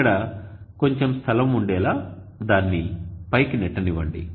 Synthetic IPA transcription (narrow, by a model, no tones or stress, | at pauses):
ɐɽɐ | ko̞ɲt͡ʃemst̪ʰɐlɐmuɳɖɛːlaː | d̪aːnːipɐjkinɛʈːɐniʋɐɳɖḭ